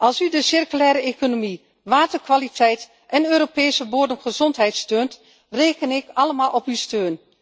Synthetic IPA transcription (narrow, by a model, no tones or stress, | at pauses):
ʔɑlˠsydəsɪrkylɛːɾəekonomi | ʋaːtəɹkʋalitʰɛjt | ʔɛnøːɾopejsəboːdəmχəzɔntɦɛjtstøːnt | reːkənɪkɑləmaːlˠʔɔpystøːn